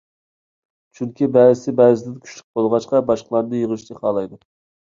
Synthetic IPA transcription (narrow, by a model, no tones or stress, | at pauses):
t͡ʃʰyŋkʲibɛːɾɪsɪbɛːzɪd̪ɪnkʲʰy̥ʃlɪk̚bolˠʁɑʃqɑbɑʃqəlˠɑɾnɨjəʁɨʃt͡ʃ̪ʰɪχɑːlˠɑjd̪u